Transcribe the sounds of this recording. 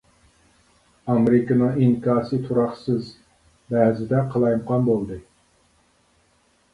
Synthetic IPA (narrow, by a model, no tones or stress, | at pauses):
ɑmeɾɪkənɨŋiŋkʰɑːsɨt̪ʰuɾɑχsɨz | bɛɦzɪd̪ɛqʰəlˠɑjmqʰɑnbolˠd̪ɨ